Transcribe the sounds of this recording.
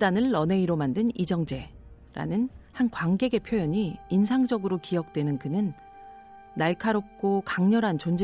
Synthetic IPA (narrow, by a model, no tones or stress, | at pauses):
danɯɭːʌne̞iɾomandɯnid͡ʑʌŋd͡ʑe̞ | ɾa̰nɯnhankwaŋɡe̞ɡe̞pʰjojʌɲiːnsʰaŋd͡ʑʌɡɯɾokijʌk̚t͈wenɯnkɯnɯnː | aɭkʰaɾop̚k͈okaŋɲʌɾɦant͡ɕond͡ʑe